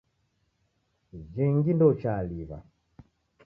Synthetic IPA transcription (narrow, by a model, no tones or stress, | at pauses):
d͡ʒɛŋɡindɔt͡ʃaliβa̰